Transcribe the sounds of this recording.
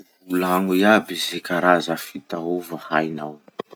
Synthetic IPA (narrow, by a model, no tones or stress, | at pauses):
ulaŋujabizekaɾazəfit̪auvəhajnaw